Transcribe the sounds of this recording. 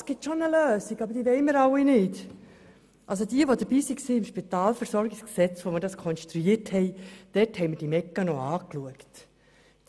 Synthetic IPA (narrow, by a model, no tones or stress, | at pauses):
sɡ̥ɪtʃonəløːsiɡɑbəɾd̥iːʋɛɪməɾɑwinɪt | ʔɑ̰ls̬odiəʋod̪əɾb̥iːsiksiːɪmʃpitɑːlfɛɾsɔɾɡɪsksɛt͡sʋoməɾdɑskʰɔnstɾuiːthɛɪd̥ɛthɛɪməd̥imɛkːənɔɑːkluəkt